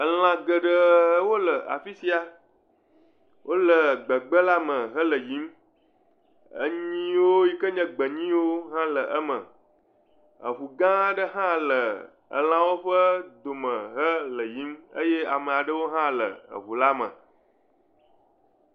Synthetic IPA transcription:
ə˨l̃ã˨ɡə˨ɖə˨˦wo˦lə˨ʔa̰˨fi˦si˦a˨ | wʔo˦lə˨ɡ͡bə˨ɡ͡bə˦la˦mə̃˨ɦə˦lə˨ji˦m | ə̰˦ɲĩ˦wo˦ji˦kə˦ɲə̃˦ɡ͡bə˨ɲĩ˦wo˦ɦã˦lə˨ʔə˦mə̰̃˨ | ə̰˨βu˨ɡã˦ɖə˦ɦã˦lə˨ | ə̰˨l̃ã˨˦wo˦ɸə˦d̪o˨mə̃˨ɦə˦lə˨ji˨˦mə̰˦je˦a˨mə̃˨a˨ɖə˦wo˦ɦã˦lə̰˨ə̰˨βu˨la˦mə̰̃˨

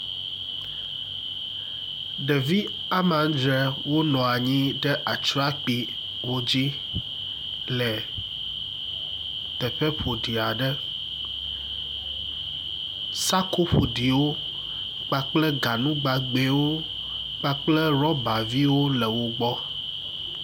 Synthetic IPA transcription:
ɖe˨vi˦ | a˦mã˨˦d͡ʒɾe˨wo˦nɔ̃˨a˨ɲĩ˦ɖɛ˦ʔa˨t͡ʃɾa˦k͡pi˨ | wo˦d͡ʑi˦ | lɛ˨ | t̪ɛ˨ɸe˦ɸo˨ɖi˨a˨ɖɛ˦ | sa˦ko˦ɸo̰˨ɖi˨wo˦ | k͡pa˦k͡plɛ˦ɡa˨nũ˦ɡ͡ba˨ɡ͡be˨wo˦ | k͡pa˦k͡plɛ˦ɾɔ˦ba˨vi˦wo˦lɛ˨wo˦ɡ͡bɔ˦

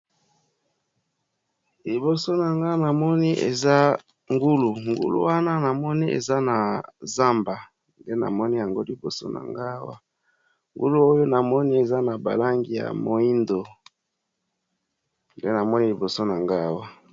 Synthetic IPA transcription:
li˨bo˨so˦na˨ŋɡa˦na˨mɔ˦ni˦ʔḛ˨za˦ | ŋɡu˦lu˨ŋɡṵ˦lṵ˦wa˦na˦na˨mɔ˦ni˦ḛ˨za˦na˨za˦mba˨ | nde˦na̰˨mɔ˦ni˦ja˨ŋɡo˦li˨bo˨so̰˦na̰˨ŋɡa˦wa̰˦ | ŋɡṵ˦lu˦o˦jo˦na˨mɔ˦ni˦e˨za˦na˨ba̰˨la˦ŋɡi˨ja̰˨mo˨i˦ndo˨ | nde˦na˨mɔ˦ni˦li˨bo˨so˦na˨ŋɡa˦˨wa˦

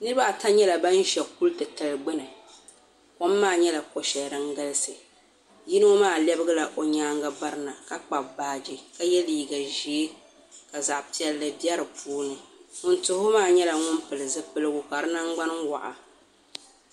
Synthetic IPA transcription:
nɨ˦ɾɨ˦ba˦˨ta˦ɲɛ˦la˨ba˦n˦ʒɛ˨ku˦ltɨ˨tɨ˨lɡ͡bɨ˦nɨ˨ | ko˦mːaː˦˨ɲɛ˦la˨ko˨ʃɛ˨ɾɨ˦ŋɡa˦lɨ˦sɨ˨ | ji˦nɨ˦ŋ˦maː˦˨lɛ˦bɨ˦ɡɨ˦la˨ʔo˨ɲaː˦ŋɡa˦ba˦ɾɨ˦na˨ka˦k͡pa˨baː˦˨d͡ʒi˦ka˦jɛ˦liː˨ɡa˨ʒi˨˦e˦ | ka˨za˨ʔpi˨ɛ˨lːɨ˨bi˦ɛ˦ɾɨ˨pʰuː˦nɨ˨ŋʊ˨ntʊ˨hʊ˦maː˦˨ɲɛ˦la˨ŋʊ˦m˦pɨ˨lɨ˨zɨ˦pɨ˦lɨ˦ɡʊ˨ka˨ɾɨ˦na˦ŋɡ͡ba˦n˦ŋ˦wa̰˨ʔa̰˨

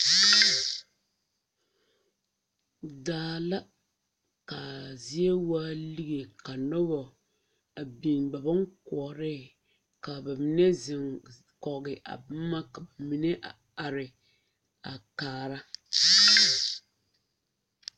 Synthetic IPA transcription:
daː˨la˦ | ka˨zi˦e˦waː˦li˦ɣe˨ka˨nɔ˦bɔ˨ | a˨bi˨ŋba˨bɔ˦ŋkɔ˨ɾɪ˦ | ka˨ba˨mi˨nɛ˦zɪ˨ŋ | kɔ˨ɡɪ˨ʔa̰˨ba˦mː˦a˦ka˨ba˨mi˨˦nɛ˦ʔa˨ | a˨ɾɪ˨ | a˨kaː˨ɾa˦

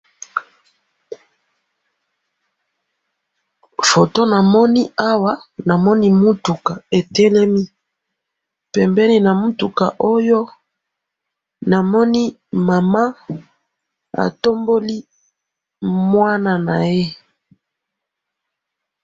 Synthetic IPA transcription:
fo˨to˦na˨mɔ˦ni˦a˦wa˦na˨mɔ˦ni˦mu˦tu˨ka˨e˨tɛ˦lɛ˦mi˦ | pɛ˨mbɛ˦ni˦na˨mu˦tu˨ka̰˨ʔo˦jo˦ | na˨mɔ˦ni˦ | ma˨ma˦ | a̰˨to˦mbo˦li˦ | mwa˦na˨na˨je˦

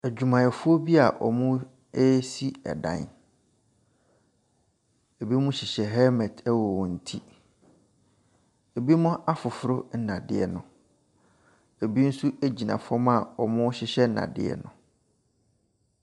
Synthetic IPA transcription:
æ˨d͡ʑᶣu˨mã˨jɛ˨fʊ˦ɔ˦bi˦a˨ʔɔ˨mʊ̃˦ | e˦si˦ɛ̰˨dã̰˨n | e˨bi˦mʊ̃˦ɕɪ˨ɕɛ˨ɦɛ˦mɛ˨tɛ˦wɔ˨wɔ̃˨n̩˨tʰi˦ | e˨bi˦mʊ̃˦ʔa˦fʊ˨fʊ˨˦ɾʊ˦n̩˦nã˨dɪ̰˦ɛ̰˨nʊ̃˨ | e˨bi˦n̩˦su˦æ˦d͡ʑi˨nã̰˨fɔ˦ma˨ɔ˨mʊ̃˦ɕɪ˦ɕɛ˦n̩˦nã̰˨dɪ̰˦ɛ̰˨nʊ̃˨

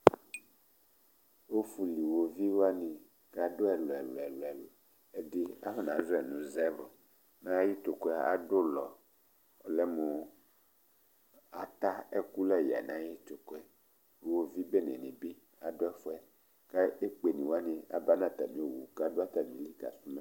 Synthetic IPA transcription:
wo˦fu˨li˨wo˨vi˦wo˦a˦nĩ˨ | ka˦do˦ɛ˨lɔ˨ɛ˨lo˨ɛ˨lɔ˨ɛ˨lo˨ | e˦di˦a˦ɸe˦nã˨˦zo˦ɛ˨nũ˨˦zɛ˦vo˨ | nã˦ji˦t̪o˨kɔ˦a˦˨a˨do˦lɔ˨ | lɛ˦mo˨ | a̰˨t̪a˦e˦ku˦lɛ˦˨ja̰˨nã˨˦ji˦t̪o˨ko˦ɛ˦˨ | wo˨vi˦be˦nḛ̃˨nĩ˨bi˦ | a˨do˦ɛ˦fɔ˦ɛ˦ | ka˦e˦k͡pe˨nĩ˨wo˦a˦nĩ˨a̰˨ba˦nã˦˨t̪a˨mĩ˨˦o˨wu˨ka˦do˦a˦t̪a˨mĩ˨˦li˦ka̰˨si˦me˦

